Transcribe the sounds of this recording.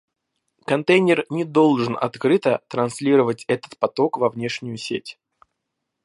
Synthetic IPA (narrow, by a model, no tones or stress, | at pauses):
kɐnt̪ejnʲɪrnʲɪd̪o̞lˠʐɨnɐ̰t̪kɾɨt̪ət̪ɾɐnsʲlʲiɾəvətʲɛt̪ə̥t̪̚pɐt̪o̞kvɐvnʲe̞ʂnʲɪjʊsʲḛtʲ